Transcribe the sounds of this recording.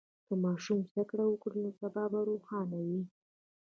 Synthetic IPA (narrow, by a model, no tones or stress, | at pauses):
kəmɑʃumz̥d̪akɽawəkɽinosabɑbaɾoxɑnawi